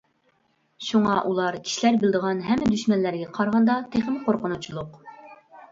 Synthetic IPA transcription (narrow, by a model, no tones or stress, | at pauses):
ʃuŋɑʔulˠɑɾkʲʰi̥ʃilæɾbɪld̪əʁɑnɦɛmːɪd̪yʃmɛnlæɾɡʲɛqʰɑɾʁɑnd̪ɑt̪ʰeχɪmqoɾqənut͡ʃʰulˠʊq